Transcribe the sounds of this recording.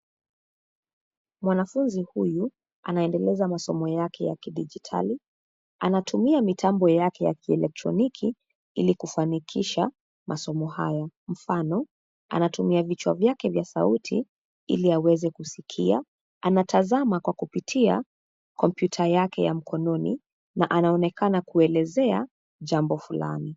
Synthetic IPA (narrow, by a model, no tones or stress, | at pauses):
mwanafunzihuju | anaɛndɛlɛzamasɔmɔjakɛjakiɗid͡ʒitʰa̰li | anatʰumiamitʰambɔjakɛja̰kiɛlɛk̚tɾɔ̰nikʰi | ḭlikufanikʰiʃa | mʔasɔmɔha̰jam̩fanɔ | a̰natumiavit͡ʃwa̰vjakɛvjasautʰi | ḭliawɛzɛkusikʰia̰ | anatʰazamakwakupitʰia̰ | kɔmpjutʰajakɛjam̩kʰɔnɔnḭ | naʔanaɔnɛkanakuɛlɛzɛa | ʄambɔfula̰ni